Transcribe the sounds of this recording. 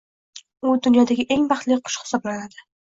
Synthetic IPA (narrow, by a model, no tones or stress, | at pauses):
ʊd̪ʊnjɒd̪aɡʲɪʔe̞ŋbɑχt̪lɪqʰʊ̥ʃhɪ̥sɒblanad̪ɪ